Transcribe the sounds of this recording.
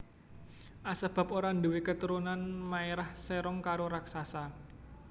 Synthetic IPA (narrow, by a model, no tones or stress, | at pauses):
ʔasəb̥a̤poɾanduwikət̪uɾunanmaeɾahseɾɔŋkaɾoɾaksasa